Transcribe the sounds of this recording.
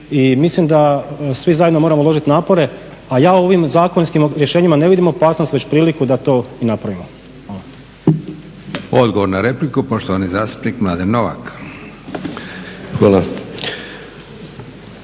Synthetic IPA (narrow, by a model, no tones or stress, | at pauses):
imislimd̪asʋizajed̪no̞moɾamolo̞ʒit̪naːpo̞ɾe̞ | ajaːoo̞ʋimzaːkonskimɾjeʃeɲimane̞ʋid̪imo̞paːsnost̪ʋe̞t͡ɕpɾiːlikud̪at̪o̞ːinapɾaʋimo | xʋaːlˠa | o̞d̪ɡoʋo̞ɾnaɾe̞plikupo̞ʃt̪oʋanizaːst̪u̥pnikmlˠaːd̪ennoʋa̰k | xʋaːla